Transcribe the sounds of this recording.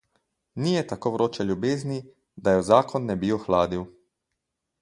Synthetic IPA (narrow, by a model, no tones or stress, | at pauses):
nijɛt̪akoːʋɾoːt͡ʃɛljubeːzni | d̪ajɛzaːkɔnːɛbioxlaːd̪iw